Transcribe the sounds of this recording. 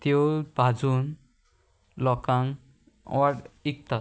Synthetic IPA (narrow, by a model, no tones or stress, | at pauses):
t̪jobʱad͡zun | lɔkaŋ̰ | aʈik̚t̪a